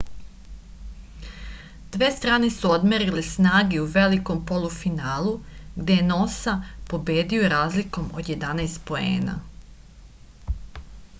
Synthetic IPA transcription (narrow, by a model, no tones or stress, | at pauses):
d̪̥ʋeːst̪ɾaːne̞suo̞d̪meɾilesnaːɡeuʋe̞liko̞mpo̞lˠufinaːlˠuɡd̪e̞jeno̞sapo̞be̞ːd̪iojeɾaːzliko̞mo̞d̪je̞d̪anajst̪po̞e̞̰ːna̰